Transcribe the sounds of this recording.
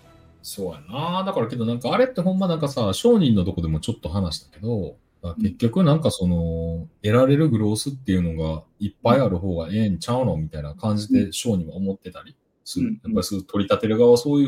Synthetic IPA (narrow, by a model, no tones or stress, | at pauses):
soːjanaːd̪akaɾake̞d̪o̞nãŋkaːɾe̞t̪ːe̞ɦõ̞mːanãŋkasaɕo̞ːɲ̟ĩnːo̞d̪o̞ko̞d̪e̞mot͡ɕo̞t̪ːo̞ɦanaɕi̥t̪ḁke̞d̪o̞ | d̪ake̞kʲːo̞kɯ̟nãŋkaso̞no̞e̞ɾaɾe̞ɾɯ̟ɡɯ̟ɾo̞ːsɨt̪ːe̞jɯ̟no̞ɡaipːaiaɾɯ̟ɦo̞ːɡaẽ̞nt͡ɕaɯɾomʲit̪ainakãɲ̟d͡ʑit̪e̞ɕo̞ːɲ̟ĩβaomo̞t̪ːe̞t̪aɾʲi | sɨɾjapːaɾʲisot̪o̞ɾʲit̪at̪e̞ɾɯ̟ɡaβaso̞ːjɯ